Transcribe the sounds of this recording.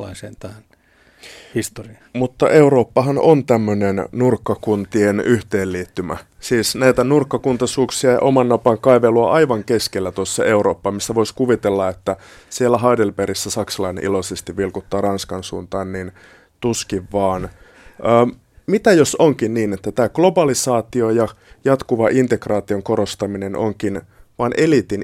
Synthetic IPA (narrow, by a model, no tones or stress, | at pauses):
ɑ̰iseːnt̪æhn | hist̪oriɑmut̪ːɑ̰ʔe̞uɾoːpːɑɦɑnont̪æmːønennurkːɑkunt̪ienyht̪eːlliːt̪ːymæ̰ | siːsnæit̪ænurkːɑkunt̪ɑsuːksiɑjɑ̰ʔomɑnːopɑŋkɑiʋeluɑʔɑiʋɑŋkeskelːæt̪uosːɑe̞uɾoːpːɑːmisːæʋoiskuʋit̪elːɑet̪ːæsielːæɦɑidelpeɾisːæsɑksɑlɑinḛʔilosest̪iʋʋilkut̪ːɑːrɑnskɑnsṵːnt̪ɑːnnin | t̪uskiʋʋɑːn | əː | mit̪æjosoŋkinniːnet̪ːæt̪æːɡ̥lo̞bɑlisɑːt̪iojɑ | jɑt̪kuʋɑʔint̪ekrɑːt̪ioŋkoɾost̪ɑmineno̰ŋkinʋɑːnʔelit̪in